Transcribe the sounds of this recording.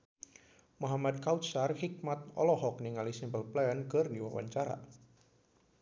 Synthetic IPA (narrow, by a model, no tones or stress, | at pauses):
mɔɦamad̪̚kawt̪sarhik̚mat̪̚ɔ̰lɔɦɔk̚niŋalisimpəlplɛənkərdiwawa̰ɲt͡ʃaɾa̰